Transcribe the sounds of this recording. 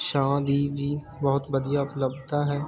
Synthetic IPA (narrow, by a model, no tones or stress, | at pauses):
ʃãːd̪ibʱi | bɐɦʊt̪bəd̪ijapləbt̪aɦɛː